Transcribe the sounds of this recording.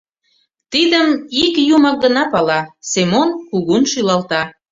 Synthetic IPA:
t̪id̪əmikjumɑk̚ɡənɑpɑlɑsemonkuɣunʃylɑlt̪ɑ

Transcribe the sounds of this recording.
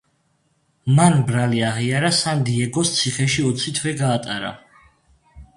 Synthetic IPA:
manbɾaliaʁiaɾasand̪iɛɡɔst̪sʰiχɛʃiɔt̪sʰit̪ʰwɛɡaːt̪ʼaɾa̰

